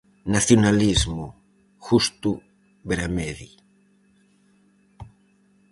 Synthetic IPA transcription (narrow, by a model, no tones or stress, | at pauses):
naθjonalizmu | xust̪u | beɾameði